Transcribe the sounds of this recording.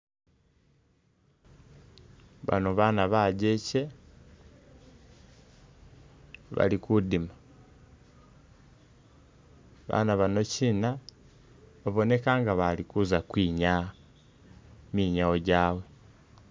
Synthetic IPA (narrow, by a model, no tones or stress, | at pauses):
βa̰noβaːnaβaɟece̞ | βa̰likudima | βa̰naβano̞ciːna | βaβo̞ne̞kaŋɡaβalikuzakwiːɲa | miːɲao̞ɟaːwe̞